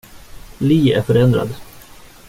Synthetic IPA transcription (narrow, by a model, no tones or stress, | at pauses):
liːæɾfœɾɛnd̪ɾa̰d̪